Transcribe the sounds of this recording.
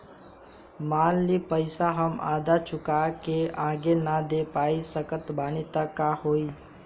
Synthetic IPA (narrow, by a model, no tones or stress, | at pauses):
maːlːipəɪsaɦəma̰ːd̪at͡ʃʰʊkakeãːɡenad̪eːpaːisəkət̪baːnit̪əkːaɦoːiː